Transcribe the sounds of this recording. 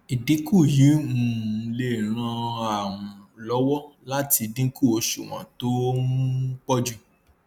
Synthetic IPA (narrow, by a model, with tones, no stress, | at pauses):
i˨dĩ˨˦ku˦˨ji˨˦ũ˨˧le˦˨ɾ̃ã˧a˨w̃ũ˨lɔ˦wɔ˦la˦ti˧dĩ˦ku˦˨o˧ʃṵ˨w̃ã̰˨to˦ũ˦k͡pɔ˦d͡ʒu˦